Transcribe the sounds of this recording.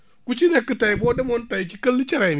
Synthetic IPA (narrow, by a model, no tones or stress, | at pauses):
kut͡ʃinekːɨtajbɔdemontajt͡ʃikəlːit͡ʃaɾajn